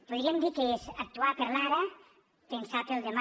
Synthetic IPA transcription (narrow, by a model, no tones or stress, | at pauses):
poðɾiemd̪ikesak̚t̪uapeɾlaɾa | pensat̪elˠd̪ema